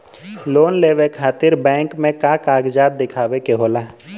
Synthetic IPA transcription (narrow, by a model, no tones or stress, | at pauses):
loːnleːʋekʰaːt̪ɪɾbɛ̃ːŋkmẽkaːkaːɡd͡ʒaːd̪̚d̪ɪkʰaːʋekeɦoːlaː